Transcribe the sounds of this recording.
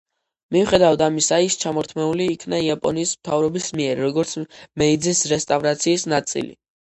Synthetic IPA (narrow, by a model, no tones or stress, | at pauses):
miuχɛd̪avad̪amisaist͡ʃʰamɔɾt̪ʰmɛuliːkʰnaiapʼɔ̰niːsmt̪ʰavɾɔbismiɛɾɾɔɡɔɾt̪sʰmɛid̪zisɾɛst̪ʼavɾat̪sʰiːsnat̪sʼḭlḭ